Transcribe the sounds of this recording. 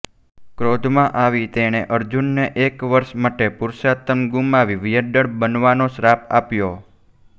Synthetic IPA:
kɾod̪ʱmãʔaʋit̪eɽ̃eʔəɾd͡ʒunːeʔekʋəɾʃməʈepʊɾʃat̪əmɡumaʋiʋijəɖəɽbənʋanoʃɾapʰa̰pjo

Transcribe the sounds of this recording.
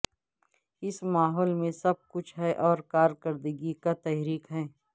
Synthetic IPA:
ɪsmaːɦɔːlmẽsɐb̚kʊt͡ʃʰɦɛʔɔːɾkaːɾkəɾd̪əɡikat̪ɛːɦɾiːkɦɛː

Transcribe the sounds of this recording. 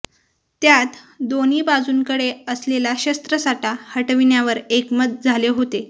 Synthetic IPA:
t̪jat̪ | d̪oniːbad͡zuːnkəɽeəslelaɕəst̪ɾəsaʈahəʈəʋinjaʋəɾekmət̪̚d͡zʱaleɦot̪e

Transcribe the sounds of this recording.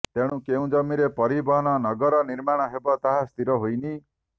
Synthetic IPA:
t̪eɽ̃ũkeũd͡ʒɔmiɾepɔɾibɔɦɔnɔnɔɡɔɾɔniɾmaɽ̃ɔɦebɔt̪aɦast̪iɾɔɦojni

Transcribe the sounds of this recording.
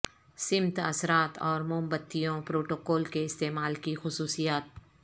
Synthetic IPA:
sɪmt̪ɐ̰sɾaːt̪ɔːɾmʊ̃mbət̪ːijõpɾoːʈoːkɔːlkeɪst̪eːmaːlkixʊsuːsijaːt̪̚

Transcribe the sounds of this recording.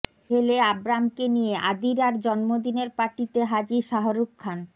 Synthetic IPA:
eleabɾamkenijeʔa̰d̪iɾaɾd͡ʑɔnmod̪ineɾpaʈit̪eɦad͡ʑiʃaɦoɾukkʰːan

